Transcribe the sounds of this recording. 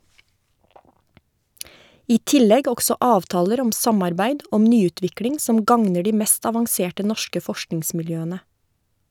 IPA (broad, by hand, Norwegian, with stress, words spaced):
ˈiː ˈtɪlɛɡ ˈɔksɔ ˈɑːʋtɑːləɾ ˈɔm ˈsɑmɑɾˌbæɪd ˈɔm ˈnyːˌʉːtʋɪkɽɪŋ ˈsɔm ˈɡɑŋnə ˈɖiː ˈmɛst ɑʋɑŋˈseːʈə ˈnɔʃkə ˈfɔʃknɪŋsmɪlˌjøːənə